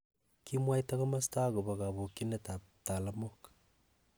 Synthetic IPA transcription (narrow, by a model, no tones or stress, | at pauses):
kimwaitaɣomastaɣoβaɣaβokineta | talamokḁ